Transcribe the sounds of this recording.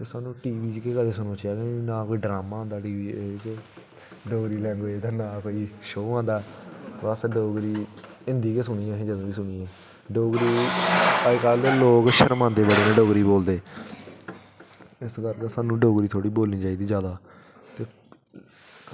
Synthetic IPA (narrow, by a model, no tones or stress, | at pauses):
t̪eːsaːnũːʈiːʋiːd͡ʒkeːkəleːsʊnõːt͡ʃjaːkenãːkoːiːɖɾaːmãːõnd̪aːʈiːʋiːekeː | ɖoːɡɾiːlɛ̃ːŋɡoːeːt̪eːnaːkoːiːʃoːãːnd̪aːbəsɖoːɡɾiː | ɪ̃nd̪iːkeːs̬ʊñĩːɛ̃ɦẽːd͡ʒəd̪õːiːsʊñiːɛː | ɖoːɡɾiːakəlloːkʃəɾmãːnd̪eːbəɽeːnẽːɖoːɡɾiːboːld̪eː | ɪsɡəɾk̪aːsaːnũːɖoːɡɾiːt̪ʰoːɽiːboːlnĩːt͡ʃaːiːd̪iːd͡ʒjaːd̪aː | t̪eː